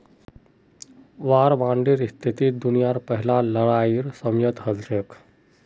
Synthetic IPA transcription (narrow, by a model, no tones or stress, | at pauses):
ʋaːɾʋãɳɖiɾist̪ʰit̪iːd̪unijaɾpəɦilaləɽaiɾsəmjət̪ɦəlt͡ʃek